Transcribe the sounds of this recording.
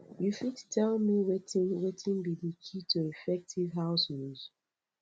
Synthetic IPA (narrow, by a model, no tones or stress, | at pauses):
jufittʰɛlmiwetĩnwetʰĩnbidikʰitʰuifɛk̚tʰivɦaʊsnuz̥